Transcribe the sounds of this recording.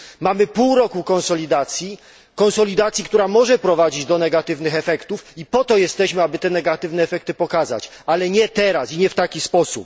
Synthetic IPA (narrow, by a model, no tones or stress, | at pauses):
mamɘpuwɾɔkukɔñsɔlʲid̪at̪sʲji | kɔñsɔlʲid̪at̪sʲjikt̪uɾamɔʐɛpɾɔvad͡ʑid͡ʑd̪ɔnɛɡat̪ɘvnɘxɛfɛkt̪ufipɔt̪ɔjɛst̪ɛɕmɘabɘt̪ɛnɛɡat̪ɘvnɛːfɛk̚t̪ɘpɔkaza̰t͡ɕ | alɛɲɛt̪ɛɾasiɲɛft̪akʲispɔsṵp̚